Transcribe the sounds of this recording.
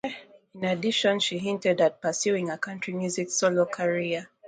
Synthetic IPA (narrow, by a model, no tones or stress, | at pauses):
ĩnadiʃɔ̃nʃiɦĩntɛdat̚pəsjuĩŋəkʰãntɹ̥imjuziksolokʰaɹia